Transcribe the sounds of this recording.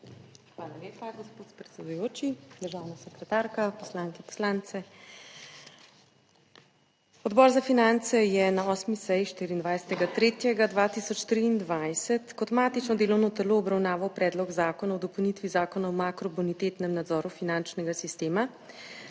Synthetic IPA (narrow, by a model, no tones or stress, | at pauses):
xʋaːlaleːpaɡɔspoːt̪pɾɛt̪sɛd̪ujoːt͡ʃid̪əɾʒaːwnasɛkɾɛt̪aːɾkapɔslaŋkɛpɔ̥slaːnt̪sɛ | ɔd̪bɔːɾzafinant̪sɛjɛnaɔsmisɛjiʃt̪iɾiːnd̪ʋajsɛ̥t̪ɛɡat̪ɾeːt̪jɛɡad̪ʋat̪isɔt͡ʃt̪ɾiːnd̪ʋajsɛt̪kɔt̪maːt̪it͡ʃnɔd̪eːlɔwnɔt̪ɛloːbɾawnaːʋawpɾɛːd̪lɔɡzaːkɔnaɔd̪ɔpɔwnit̪ʋizaːkɔnaɔmakɾɔbonit̪eːt̪nɛmnad̪zɔːɾufinant͡ʃnɛɡasist̪eːma